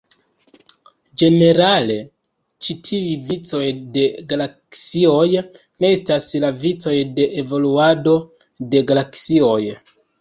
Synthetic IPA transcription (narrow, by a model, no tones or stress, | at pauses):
d͡ʒe̞ne̞ɾale̞ | t͡ʃitʰiivit͡so̞jde̞ɡalaksio̞j | ne̞estaslavit͡so̞jde̞ʔevo̞luado̞ | de̞ɡalaksio̞j